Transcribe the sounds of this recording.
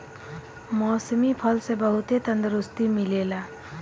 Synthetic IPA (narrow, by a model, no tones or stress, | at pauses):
mɔːsmipʰəlsebəɦut̪et̪ənd̪ɾust̪imilela